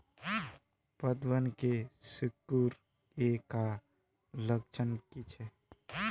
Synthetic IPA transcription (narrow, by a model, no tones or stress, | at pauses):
pəd̪wənkesukːuɾ | eka | ləkt͡ʃʰənkit͡ʃʰɛ